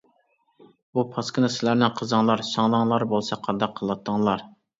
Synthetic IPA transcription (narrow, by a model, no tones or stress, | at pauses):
bupʰɑskʲənɨsɪlæɾnɪnqʰəzəŋlˠɑɾʃɑŋlˠəŋlˠɑɾbolˠsɑqʰɑd̪ɑqʰːəlˠɑt̪ʰːəŋlˠɑɾ